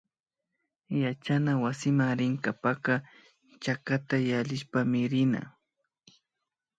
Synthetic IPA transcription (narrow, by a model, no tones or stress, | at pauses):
jat͡ʃanawasɪmaŋɾɪŋkapaka | t͡ʃakat̪ajaʎɪʃpamɪɾɪna̰